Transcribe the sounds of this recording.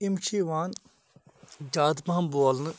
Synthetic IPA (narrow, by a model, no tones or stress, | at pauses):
imt͡ʃʰiːʋaːn | d͡ʒaːd̪pamboːlnɨ